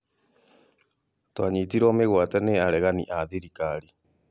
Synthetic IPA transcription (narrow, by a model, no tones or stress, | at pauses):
twaɲitiɾɔmeɣwatɛneaɾɛɣanḭʔaðiɾikaɾi